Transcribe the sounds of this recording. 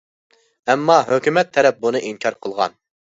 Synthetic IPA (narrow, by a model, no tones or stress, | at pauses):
ɛmːɑɦøkʲymɛt̪ʰːɛɾɛp̚bunɨʔiŋkʲʰɑɾqʰəlˠʁɑ̰n